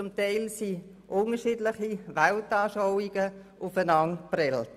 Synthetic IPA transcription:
t͡sʊmtaɪlsi | ʔʊnəʃiːdlɪχiʋaltaːʃaʊiɡəʔʊfənɑŋpɾɛlt

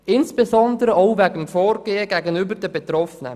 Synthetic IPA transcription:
ɪnsb̥ezɔndəɾəoʊvæɡəmfoːɾɡ̥eːəɡæɡənybəɾdəbɛtɾɔfənə̰

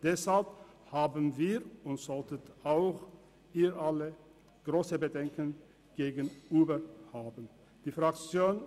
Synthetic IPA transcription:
d̥ɛshalp | haːbənviːʁʊntz̥ɔltətaʊx | iːʔalə | ɡ̥ʁoːsəbədɛŋkən | ɡ̥eːɡənʔyːbəhaːbən̩ | d̥iːfʁ̥akt͡sjoːn

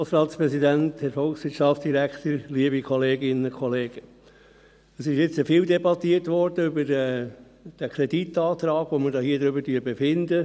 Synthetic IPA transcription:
sɾɑːt̪spɾɛsid̪ænt̪hɛɾfɔlˠksʋɪt͡ʃɑftd̥̪iɾækt̪əɾliəbikʰɔleːɡɪnəkʰχɔleːɡ̥ə | əsɪʃɪt͡səfɪːld̪ɛbɑt̪iərtʋɔɾd̥əʏbəɾɛ | d̥ækʰɾɛditːɑːt̪ɾɑːɡ̥ʋoməɾdɑːɦiəd̪ɾʏbəɾtyːɾbefɪnd̪ə

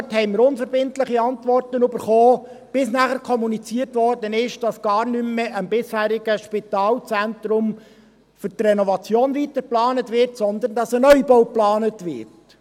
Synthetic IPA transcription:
thɛɪməɾʊnfəɾbɪntlɪχiɑntʋɔrtənøbəɾχoː | b̥ɪsnæːχəɾkʰɔmunit͡siːərtʋɔrdənɪʃd̥ɑsɡ̥ɑːɾnʏmːɛʔəmbɪshæːɾɪɡ̥əʃpitɑːlt͡sænt̪ɾʊm | fʏtrɛnɔvɑt͡sjoːnʋitəɾplɑːnətʋɪɾtsɔnd̪əndɑsənœʏbɔwplɑːnətʋɪɾt

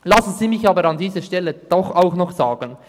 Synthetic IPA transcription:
lɑsn̩ziːmɪçɑːbəɾɑndiːzəʃtɛlːəd̥ɔχaʊxnɔχzaːɡ̥ən

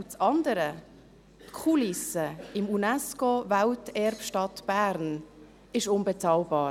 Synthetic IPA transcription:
t͡sɑnd̪əɾə | tkʰulɪsəɪmunɛskovæltɛɾpʃtɑtb̥æːɾn | ɪʃʊnbɛt͡sɑːlbɑː

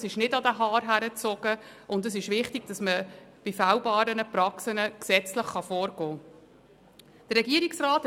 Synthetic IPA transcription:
sɪʃnɪdɑdəɦɑːɾɦæɾət͡sɔɡ̥ə | ʔʊndəsɪʃvɪχtɪɡ̥d̥ɑsməb̥ifawbɑːɾənəprɑksənəksɛt͡sləχχɑfoːɾɡ̥ɔː | d̥ərɾːɛɡiːəɾiksraːt

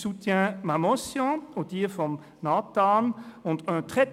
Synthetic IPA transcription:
sut̪jɛ̃mamɔsjɔ̃od̪iːʁfɔm | nat̪anɔ̃t̪œ̃t̪ʁɛt

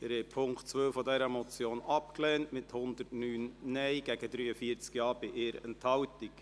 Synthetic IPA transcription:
ɪɾhɛpʰʊŋktt͡sʋœwfɔdɛɾəmɔt͡sjoːnɑpklɛːntmɪthʊnd̪əɾtnyːnnɛɪɡæɡədɾyːəfiːəɾt͡skjɑːɾb̥ɪʔɪːɾɛ̰nthɑwtik

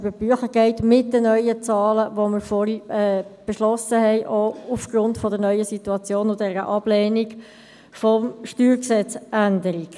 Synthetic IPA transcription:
bəb̥yəχəɡ̥ɛɪtmɪt̚dənœʏət͡sɑːləʋoməɾfɔɾiɛb̥ɛʃlɔsəhɛɪʔoufɡ̥ɾʊntfɔdəɾnœʏəsituɑt͡sjoːnʊdɛɾə̰ʔɑb̥leːniɡ | fɔmʃtyːɾksɛt͡sʔændəɾik

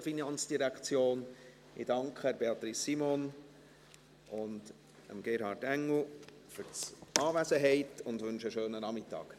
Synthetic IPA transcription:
finɑnt͡sd̥iɾækt͡sjoːn | ɪ̰d̥ɑŋkχəbeɑt̪ɾisːimon | ʔʊnd | ə̰mɡeɾhɑɾtæŋl̩ˠ | fʏɾɑːʋæzəɦɛɪtʊndʋʏnʃəʃøːnənɑmɪtːɑ̰ːk

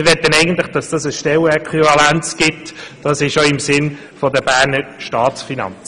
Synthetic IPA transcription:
ɪʋɛt̪ːənɛɪɡən̩t̪lɪχd̥ɑsd̥ɑːsəsʃtɛlɛkʰχivɑlænt͡sɡ̥ɪtd̥ɑsɪʃoɪmsɪn | fɔdəbæːɾnəɾʃtɑːsfinɑ̰nt͡s

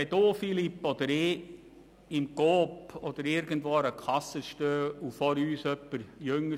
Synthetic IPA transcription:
ɛd̪oːfilipːɔd̥̪əɾɪ | ɪmɡ̥oːpɔd̪̥əɾɪɾɡ̥ən̩dʋoːɾəkʰɑsːəʃtøːufɔɾyːsœpːəɾjøŋə

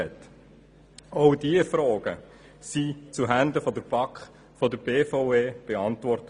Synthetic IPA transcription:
ɛt̪ | ɑʊdiəfɾɔːɡ̥ə | sit͡suɦænd̪əfɔdəɾb̥ɑkχ | fɔdəɾbeːfɔʊeːb̥eɑnt̪ʋɔrtə

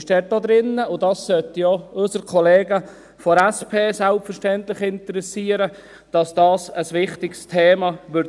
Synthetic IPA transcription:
ʃd̥ɛːt̚d̥od̪ɾɪnːəʊdɑssœtjoʊsəɾkʰɔleːɡə | fɔɾɛspʰeːsælpfəʃtɛntlɪχɪntəɾɛsiːəɾə | d̥ɑsd̥ɑːsəsʋɪχtɪkstʰeːmɑʋʏɾ

